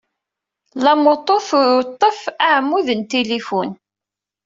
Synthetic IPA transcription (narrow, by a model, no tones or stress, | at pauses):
lɑmot̪ˤːoθʊɾt̪ˤːəfaʕmːuðənt̪elifun